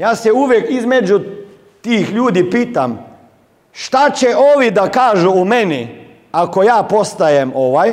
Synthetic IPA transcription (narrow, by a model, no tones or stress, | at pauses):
jaːseuʋjekizmed͡ʒu | t̪iːxʎuːd̪ipiːt̪am | ʃt̪at͡ɕeʔoːʋid̪akaːʒuumeni | akojaːpost̪ajemo̞ʋaj